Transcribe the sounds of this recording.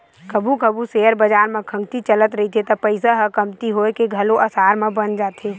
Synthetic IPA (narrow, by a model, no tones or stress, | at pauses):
kəbʱukəbuseəɾbəd͡ʒaːɾmẽkʰə̃ŋɡt̪it͡ʃələt̪ɾəɦit̪ʰet̪ɔpəɪsaɦəkəmt̪iɦoekeɡʱəloʔəsaːɾmẽbənd͡ʒaːt̪e